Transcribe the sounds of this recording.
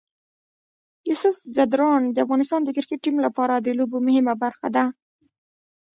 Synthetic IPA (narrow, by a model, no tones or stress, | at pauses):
jusʊfzad̪ɾɑnd̪əafɣɑnɪst̪ɑnd̪əkɪɾkɪʈ̚ːimlapɑɾad̪əlobomʊhɪmabaɾxa̰d̪a